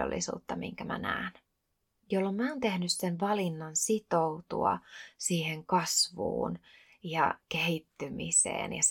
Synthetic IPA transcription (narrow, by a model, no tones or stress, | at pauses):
o̰lːḭsṵːt̪ːɑmḭŋkæmæ̰næ̰ːn | jolːommæont̪e̞hnyssenʋɑlinːɑnsit̪out̪uɑ̰siːhe̞ŋkɑsʋṵːn | jɑkehit̪ːymisḛːnjɑ